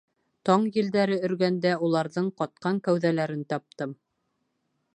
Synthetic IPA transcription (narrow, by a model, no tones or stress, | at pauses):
t̪ɑɴjɘ̆ld̪æɾɘɵ̆ɾɡænd̪æulˠɑɾðɤɴqɑt̪̚qɑŋkæwðælæɾɘnt̪ɑp̚t̪ɤm